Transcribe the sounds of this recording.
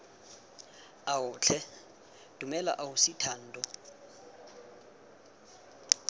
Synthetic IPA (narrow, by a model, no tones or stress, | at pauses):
aʊt͡ɬʰɛ | d̥umɛla̰ʔaʊsitʰan̩ːdʼɔ